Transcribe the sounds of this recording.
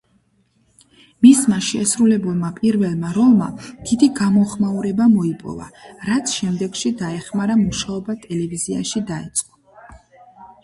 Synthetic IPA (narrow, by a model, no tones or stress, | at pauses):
mismaʃɛsɾulɛbulˠmapʼiɾvɛlˠmaɾɔlˠma̰d̪̥id̪iɡamɔχmauɾɛbamɔipʼɔ̰va̰ɾat̪sʰʃɛmd̪ɛɡʃid̪aɛχmaɾamuʃaɔbat̪ʼɛlɛviziaʃid̪ait̪sʼqʼɔ